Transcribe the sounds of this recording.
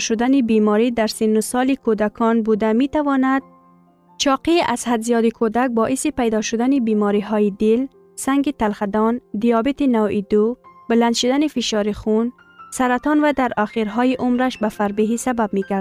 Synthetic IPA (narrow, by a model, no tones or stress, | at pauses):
ʃʊd̪anibimɔɾid̪aɾsinːʊsɒlikʰod̪akʰɔnbud̪amit̪avɔnad̪̥̚ | t͡ʃɒqiʔashad̪zijɒd̪ikʰod̪ak̚bɔʔisipajd̪ɔʃʊd̪anibimɔɾiɦɔːjid̪ɪl | saŋɡit̪alxad̪ɔnd̪ijɑbit̪inawid̪ubɪland̪ʃid̪anifiʃɑɾixun | saɾat̪ɔnvad̪aɾaxiɾɦɔjiʔʊmɾaʃbafaɾbiɦisabab̚miɡaɾd̪